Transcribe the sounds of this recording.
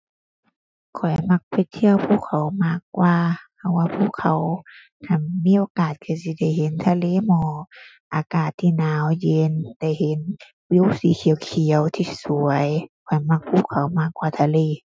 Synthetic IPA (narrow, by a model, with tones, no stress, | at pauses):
kʰɔ˨˩jma˧˩k̚pʰe˧˩jt̪ʰi˧˨əwpʰuː˧˥˨kʰa˨˦wmaː˧˩˨k̚waː˧pʰa˧˦waː˧pʰuː˧˥˨kʰa˨˦w | kʰa˧˩nmiː˧˨ʔoː˧˦kaː˨˩t̪̚kʰɯː˧˩si˧˦da˧˩˨jhe˨˦nt̪ʰaː˧˨leː˧˨mɔː˧˦ | ʔaː˨˩kaː˨˩t̪ʰːiː˧˨naː˨˦wje˧nda˧˩jhe˨˦n | wi˧˨siː˨˦kʰi˨˦wkʰi˨˦ə˦wt̪ʰiː˧su˨˦əjkʰɔ˨˩jma˧˩k̚pʰuː˧˥˨kʰːa˨˦wmaː˧˩kwaː˧˩t̪ʰaː˧˨leː˧˩˨